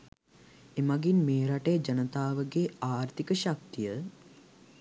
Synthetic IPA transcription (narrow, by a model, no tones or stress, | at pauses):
emaɡinmeːɾaʈejd͡ʒɐnət̪aːʋəɡeaːɾt̪ikəɕak̚t̪ijə